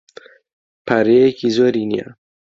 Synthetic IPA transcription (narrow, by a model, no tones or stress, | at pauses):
pʰaɾeekizoːɾinija̰